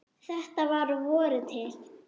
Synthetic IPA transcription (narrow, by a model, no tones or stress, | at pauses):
θɛht̪avaɾvɔːɾʏt̪ʰɪl